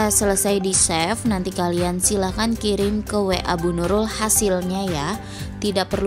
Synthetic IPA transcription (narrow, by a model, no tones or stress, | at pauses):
asələsajdisɛfnant̪ikaliansilakankiɾɪŋkəweʔabunuɾʊlhasɪlɲaja | t̪idaʔ̚pərl